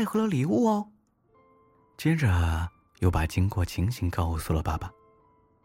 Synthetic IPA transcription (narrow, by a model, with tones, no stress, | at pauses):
ɪxɤ˧˥lə˧li˨˩u˥˩ɔ˧˩ | t͡ɕjɛ˥ʈ͡ʂə˨ | jo˥˩ʊpa˨˩t͡ɕi˥ŋkwɔ˥˩t͡ɕʰi˧˥ŋɕi˧˥ŋkɑ˥˧ʊsu˨˩lə˩pa˥˩ba˨˩